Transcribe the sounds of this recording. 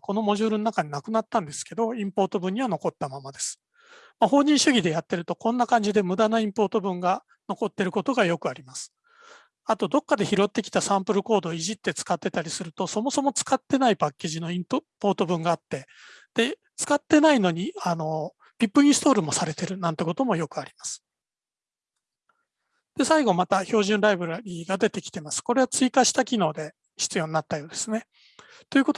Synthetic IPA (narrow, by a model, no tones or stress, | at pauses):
ko̞no̞mo̞ʑɨːɾɯnonakaɲ̟inakɯ̟nat̪ːãnd̪e̞sɨ̥ke̞d̪o̞ĩmpo̞ːt̪o̞bɯ̃ɲ̟ːiβano̞ko̞t̪ːamamad̪e̞sɨ̥ | maɦo̞ːɲ̟ĩɰ̃ɕɨɡʲid̪e̞jat̪ːe̞ɾɯ̟t̪o̞kõ̞nːakãɲ̟d͡ʑid̪e̞mɯ̟d̪anaĩmpo̞ːt̪o̞bɯ̟̃ŋɡa | no̞ko̞t̪ːe̞ɾɯ̟ko̞t̪o̞ɡajo̞kɯ̟aɾʲimasɨ̥ | at̪o̞d̪o̞kːad̪e̞çiɾo̞t̪ːe̞kʲi̥t̪asãmpɯ̟ɾɯ̟ko̞ːd̪o̞iʑit̪ːe̞t͡sɨ̥kat̪ːe̞t̪aɾʲisɨɾɯ̟t̪o̞so̞mo̞so̞mo̞t͡sɨ̥kat̪ːe̞naipakʲːe̞ːʑino̞ĩmpo̞ːt̪o̞bɯ̟̃ŋɡaːt̪ːe̞ | d̪̥e̞ | t͡sɨ̥kat̪ːe̞naino̞ɲ̟iano̞ | pʲipːɯ̟ĩɰ̃st̪o̞ːɾɯ̟mo̞saɾe̞t̪e̞ɾɯ̟nãnt̪e̞ko̞t̪o̞mo̞jo̞kɯ̟aɾʲimasɨ̥ | d̪̥e̞saiɡo̞mat̪aço̞ːʑɨ̃nɾaibɯ̟ɾaɾʲiːɡad̪e̞t̪e̞kʲi̥t̪e̞masɨ̥ko̞ɾe̞at͡sɨikaɕi̥t̪akʲino̞ːd̪e̞ | çi̥t͡sɨjo̞ːninat̪ːajoːd̪e̞sɨne̞ | t̪o̞jɯ̟ko̞t̪o